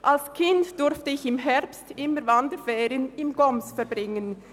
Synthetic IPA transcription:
ʔalskʰɪntd̥ʊɾftəɪçɪmɦɛʁpstɪməɾvandəfɛːɾənɪmɡɔmsfɛɾbʁɪŋən

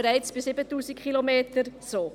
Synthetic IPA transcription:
ɾɛɪt͡sb̥ɪsɪbətuːsikχilomeːtəɾsoː

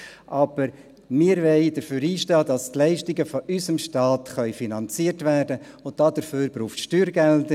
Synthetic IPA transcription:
ʔɑb̥əɾ | mɪəɾʋɛɪd̥əɾføːɾiːʃtɑːdɑstlɛɪʃtɪɡəfɔʔysəmʃtɑːt̪χœʏfinɑnt͡siərtvæːrdə | ʊnt̚d̥ɑdəɾføːɾbɾuːχtʃtyːɾɡɛldə

